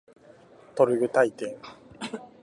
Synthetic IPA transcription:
t̪oɾɯ̟ɡɯ̟t̪ait̪ẽŋ

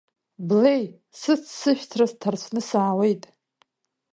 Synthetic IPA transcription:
blej | sɨt͡sʰsɨʃᶣʷt͡sʰrastʰart͡ɕʷʰnɨsaːwe̞jtʼ

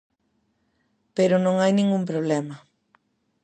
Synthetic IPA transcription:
peɾʊnõŋajnĩŋɡump̬ɾoβ̞lɛmɐ

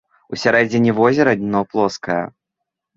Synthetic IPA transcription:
usʲaɾɛd͡zʲɪnʲivɔzʲɛɾɐd̪ʲnɔplˠɔskɐjɐ̰

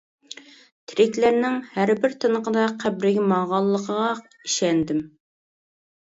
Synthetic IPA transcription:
t̪ʰɾɪkʲlæɾnɪŋhæɾbɪɾt̪ʰɨnəqəd̪ɑqʰæbɾɪɡʲɪmɑʁɑlˠːəqʰəʁɑ | iʃɛnd̪ɪm

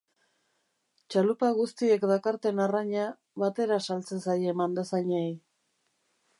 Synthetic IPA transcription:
t͡ʃalupaɣust̪ie̞kd̪akaɾt̪e̞naraɲa | βat̪e̞ɾasalt͡se̞nsajemand̪asaɲej

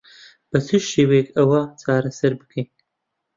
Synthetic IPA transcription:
b̥ɐt͡sʰɨʃeːwɐjekʰɐwɐt͡sʰaːɾɐsɐɾbɨ̥kʰejn

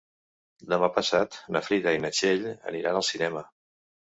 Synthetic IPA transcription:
d̪əmapəsat̪nəfɾiðəinət͡ʃeʎə̰niɾa̰nəlˠsinɛmə

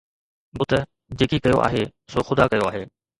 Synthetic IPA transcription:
bʊt̪ə | d͡ʑeːkikɐjo̰ʔa̰ːɦeːsoːxʊd̪aːkɐjoaːɦeː

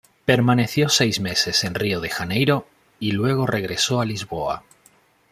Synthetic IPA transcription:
pe̞ɾmane̞θjo̞se̞jzme̞se̞se̞nrio̞ðe̞xane̞jɾo̞ | ilwe̞ɣ̞o̞re̞ɣ̞ɾe̞so̞alizβo̞a̰

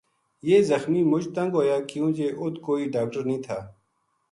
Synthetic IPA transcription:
jeːzɐxmiːmʊd͡ʒt̪ɐ̃ŋɡɦoːjaːkjũːkeːʔʊt̪koːiːɖaːk̚ʈəɾnĩːt̪ʰaː

